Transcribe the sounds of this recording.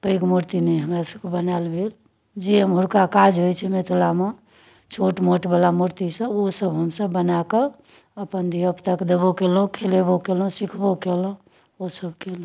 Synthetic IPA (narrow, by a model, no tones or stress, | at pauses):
pəikmuɾt̪inɛɦəmɾasəb̚kbənalbʱel | d͡ʒiəmɦuɾkakad͡ʒɦojt͡ʃʰɛmet̪ʰlame | t͡ʃʰoʈmoʈbəlamuɾt̪isə̃osəbɦəmsəbːənake | əpənd̪iəpt̪aked̪əbokelɦũkʰelebokelɦũsikʰbokelɦũ | osəbʱkelɦũ